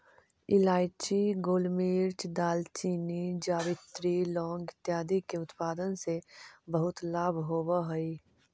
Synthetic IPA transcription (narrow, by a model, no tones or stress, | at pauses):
ɪlaːɪt͡ʃiɡoːlmiːɾt͡ʃd̪aːlt͡ʃiːnid͡ʒaːʋɪt̪ɾilɔ̃ːŋɡɪt̪jaːd̪ikeʊt̪paːd̪ənsebəɦʊt̪laːbʱɦoːbaɦoi